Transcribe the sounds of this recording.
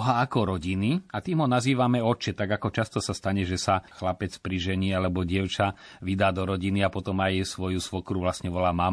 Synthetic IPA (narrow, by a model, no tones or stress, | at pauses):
ɦaːkɔɾɔɟiniat̪iːmɦɔnaziːʋamɛɔt͡ʃɛt̪aɡakɔt͡ʃast̪ɔsast̪aɲɛʒɛsaxlapɛt͡spɾiʒɛɲiːalɛbɔɟɪɛʊt͡ʃaʋid̪aːd̪ɔɾɔɟiniapɔt̪ɔmajsʋɔjusʋɔkɾuʋlasɲɛʋɔlaːmam